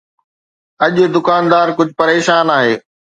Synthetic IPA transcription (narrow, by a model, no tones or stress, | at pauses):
ɐʄd̪ʊkaːnd̪aːɾkʊd͡ʑʱpɐɾeːʃaːnaːɦeː